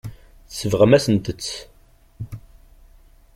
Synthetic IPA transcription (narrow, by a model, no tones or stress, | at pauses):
θsːəvʁəmæsənd̪ət͡sː